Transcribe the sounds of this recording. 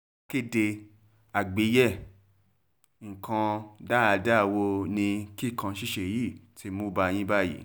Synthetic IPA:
ke˦˨de˧ | a˨ɡ͡be˨˦jɛ˦˨ | ŋ̩˨kã˧da˦a˨˧da˦˨wo˧nĩ˧ki˦˨kã˧ʃi˦ʃe˨ji˦˨tʰi˧˦mũ˦ba˧˨j̃ĩ˦ba˦˨jḭ˨˦

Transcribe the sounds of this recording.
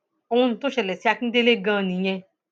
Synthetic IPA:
o˧ũ˧ñ̩˨to˦ʃɛ˨lɛ˨si˦a˧ki˦de˦le˦ɡã˦˧˨nĩ˨ɲɛ̃˧

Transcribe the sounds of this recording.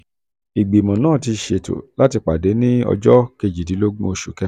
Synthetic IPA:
i˨ɡ͡bi˨mɔ̃˨nãː˦˨ti˧ʃe˨to̰˨la˦ti˧k͡pa˨de˨˦nĩ˦ɔ̰˧d͡ʒɔ˦ke˧d͡ʒi˨di˨˦lo˦ɡ͡bũ˦o˧ʃu˨kɛ˧

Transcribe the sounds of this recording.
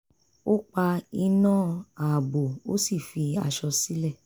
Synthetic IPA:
o˦k͡pa˧i˧nãː˦˨a˨bo˨o˦si˦˨fi˧a̰˧ʃɔ˧si˨˦lɛ˦˨

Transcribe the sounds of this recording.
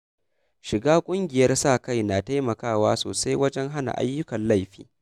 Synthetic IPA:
ʃɪ˨ɡaː˦kʷʼʊ˦ŋɡʲɪ˨jɐ˦rsaː˦˨ka˦˨jnaː˨ta˦jmɐ˨kaː˦˨waː˦soː˨sa˦jwɐ˦d͡ʒɛ˦ŋɦa˦na̰˨ʔa̰˦jːʊ˦kɐ˨nla˦˨jɸḭː˦

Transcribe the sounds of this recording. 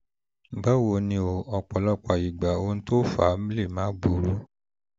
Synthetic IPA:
bɛ˦wo˧˨nĩ˧o˧˨ɔ˧k͡pɔ˨lɔ˦˨k͡pa˨i˨ɡ͡ba˨o˧ñ̩˦to˦fa˨˦mĩ˦le˦˨mãː˨˦ɡ͡bu˨ɾu˦

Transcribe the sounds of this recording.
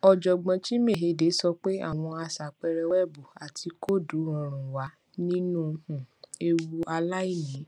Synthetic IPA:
ɔ˨d͡ʒɔ˨ɡ͡bã˧t͡ʃi˦me˦˨ɦe˧˦de˨˦sɔ˧k͡pe˦a̰˦˨w̃ɔ̃˧a˧sa˨k͡pɛ˧ɾɛ˧wɛ˦bu˨a˨tʰi˧ko˦˨du˨˦ɾɔ̃˧ɾ̃ũ˨wa˨˦ | nĩ˦nũ˦hũ˨e˧wu˧ʔa˧la˦i˦˨nĩ˨˦

